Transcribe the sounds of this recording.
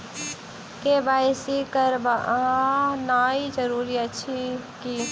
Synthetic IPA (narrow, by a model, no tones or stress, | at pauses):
kebaːjsikəɾbaɦãnaːid͡ʒəɾuːɾiət͡ʃʰiki